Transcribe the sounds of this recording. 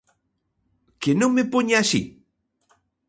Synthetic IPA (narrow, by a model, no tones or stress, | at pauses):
kenõŋmepoɲasḭ